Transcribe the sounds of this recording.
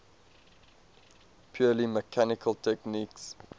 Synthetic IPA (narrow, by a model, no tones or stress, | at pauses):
pʰjɔːliməkʰanɪkʰəltʰɛkniːks